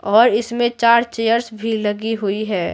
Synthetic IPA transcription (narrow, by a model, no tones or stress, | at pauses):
ɔːɾɪsmẽt͡ʃaːɾt͡ʃeːjəɾsbʱilɐɡiɦʊiɦɛː